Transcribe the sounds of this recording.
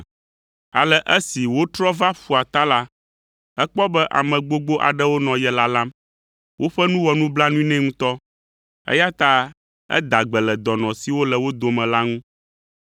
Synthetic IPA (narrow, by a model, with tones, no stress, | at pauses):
a̰˨lɛ˦ʔɛ˦si˨wo˦t̪ɾɔ˦va˦fu˨a˨t̪a˦la˦ | ɛ˦k͡pɔ˦bɛ˦ʔa̰˨mɛ̃˨ɡ͡bo˦ɡ͡bo˦ʔa̰˨ɖɛ˦wo˦nɔ̃˨jɛ˨la˦la˦m | wʔo˦ɸɛ˦nũ˦wɔ˨nũ˦bla˦nũ˦ĩ˦nɛ̃˦ŋũ˦t̪ɔ˦ | ɛ̰˦ja˦t̪a˦ | ɛ̰˦d̪a˨ɡ͡bɛ˨lɛ˨d̪ɔ˨nɔ̃˨si˨wo˦lɛ˨wo˦d̪o˨mɛ̃˨la˦ŋũ˦